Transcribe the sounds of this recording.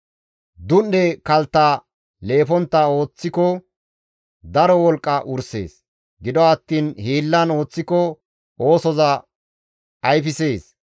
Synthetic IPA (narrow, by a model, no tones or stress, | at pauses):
d̪ʊnːɛkɐlt̪ːa | le̞ːfɔnt̪ːɐo̞ːt͡sːɪkɔ | d̪ɐɾɔwɔlkʼːɐʔʊɾse̞̰ːs | ɡɪd̪ɔɐt̪ːiːnhiːlːɐno̞ːt͡sːɪkɔ | ʔo̞ːsɔzɐ | ɐjfɪse̞ːs